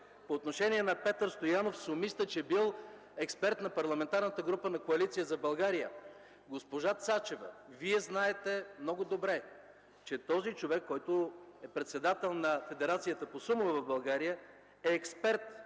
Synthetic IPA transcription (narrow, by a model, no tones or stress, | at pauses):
poːt̪noʃɛniɛnɐpɛt̪əɾst̪ojanofsʊmist̪ət͡ʃɛbilˠ | ɛkspɛɾt̪nɐpɐɾlˠɐmɛnt̪aɾnət̪əɡɾupənɐkoɐlit̪sijəzɐbɐlˠɡaɾijə̰ | ɡospoʒat̪sat͡ʃɛvə̰viɛznaɛt̪ɛmnɔɡod̪obɾɛ | t͡ʃɛt̪ɔzit͡ʃovɛkːɔjt̪ʊɛpɾɛt̪sɛd̪at̪ɛlˠnɐfɛd̪ɛɾat̪sijət̪əposumovɛvɐvbɐlˠɡaɾijə | ɛːkspɛɾt̪